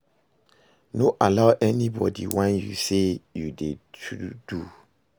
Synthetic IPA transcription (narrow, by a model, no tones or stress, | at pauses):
noʔalaʊʔɛnibɔdḭwɛ̃njṵsejudeud̥u